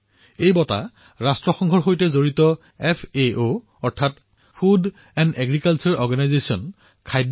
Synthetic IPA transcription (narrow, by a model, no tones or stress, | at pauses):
ejbɔta̰ | ɹastɹɔxɔŋɡʱɔɹxojtɛzoɹitɔ | ɛpʰeʔo | ɔɹtʰat | pʰud | ɛndɛɡɹikalt͡ʃɔɹɔɹɡanajzesiɔn | kʰajd